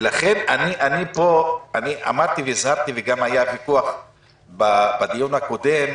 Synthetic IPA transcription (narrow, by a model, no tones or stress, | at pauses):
laχe̞naniʔanipo̞aniʔa̰mad̪̚t̪iveizhaʁt̪iveɡamajavikuaχ | babad̪ijunhako̞d̪e̞m